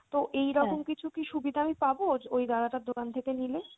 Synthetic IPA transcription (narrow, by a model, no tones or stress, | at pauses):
t̪oʔejɾɔkomkit͡ɕʰukiʃubid̪ʱaamipabod͡ʑojd̪aɾaʈad̪ʱokant̪ʰekenile